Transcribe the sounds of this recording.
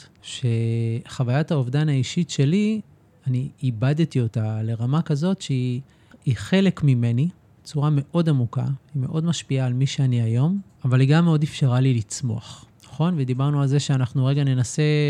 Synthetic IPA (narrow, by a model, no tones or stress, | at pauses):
ʃe̞χavajataovdanaiʃitʃe̞li | aniːbadtio̞tale̞ʁamakazo̞tʃei | iχe̞lekmime̞ni | t͡suʁame̞ʔo̞damuka̰ime̞ʔo̞dmaʃpiaːlmiʃeaniajo̞m | avaliɡamːeo̞defʃeʁalilit͡smo̞̰aχnaχo̞nved̪ibaʁnualze̞ʃeanaχnuʁe̞ɡane̞nase̞